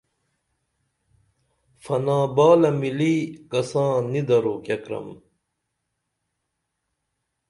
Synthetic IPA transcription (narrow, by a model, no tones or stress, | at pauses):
fɐnãːbaːlɐmiliːkɐsãːnid̪ɐɾoːkɐkɾɐ̰m